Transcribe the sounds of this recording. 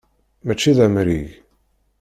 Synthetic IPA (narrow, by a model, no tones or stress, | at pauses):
mæt͡ʃːiðæmɾiʝ